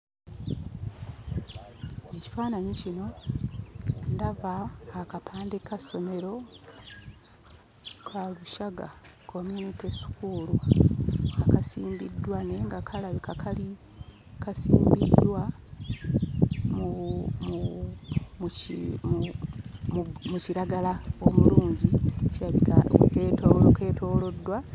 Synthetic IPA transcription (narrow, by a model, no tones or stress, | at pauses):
eci̥faːnaɲicino̞ | ndavaːkapʰaːndekaso̞me̞ɾo̞ | kʰaluʃaɡa̰kʰo̞munitesu̥kuːlu | akasiːmbḭdwane̞ːŋɡakʰalaβikakali | kasḭːmbidːwa | mumu | m | muciɾaɡalao̞muluːɲɟit͡ʃaketooke̞ːtʰo̞ːlo̞dːwa